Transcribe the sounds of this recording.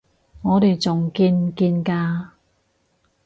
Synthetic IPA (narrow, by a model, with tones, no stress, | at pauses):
ŋɔː˨˧t̪e˨jt͡sʊ˨ŋkiː˧nkiː˧nkaː˧